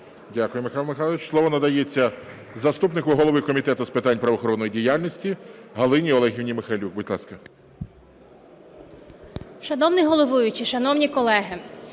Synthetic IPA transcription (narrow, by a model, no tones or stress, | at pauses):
dʲakʊjemɪxɑlˠmɪxɑlˠɪt͡ʃslˠɔʋɔnɐd̪ɐjet͡sʲːɐ | zɐst̪upnɪkʊɦɔlˠɔʋɪkɔmʲit̪ɛt̪ʊspɪt̪ɑnʲpɾɐʋɔxɔɾɔnːɔjidʲijalʲnʲisʲtʲiɦɐlˠɪnʲiɔlˠɛɦʲiwnʲimɪxalʲuk̚bʊd̪ʲlˠɑ̰skɐ | ʃɐnɔwnɪɦɔlˠɔʋujʊt͡ʃiʃɐnɔwnʲikɔlˠɛɦɪ